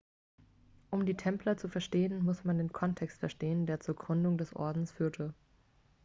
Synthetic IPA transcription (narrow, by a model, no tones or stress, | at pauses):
ʔʊmdiːtʰɛmplɐt͡sufɛɐʃteːənmʊsmandeːnkʰɔntʰɛkstfɛɐʃteːəndeːɐt͡suːɐɡʁʏndʊŋdɛsʔɔ̰ɐdn̩sfyːɐtʰə